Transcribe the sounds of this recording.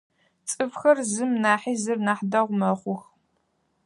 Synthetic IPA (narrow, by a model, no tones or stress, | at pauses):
t͡sʼɨfxɐrzɨmnaːħiːzɨrnaħdɐʁʷmɐχʷʊx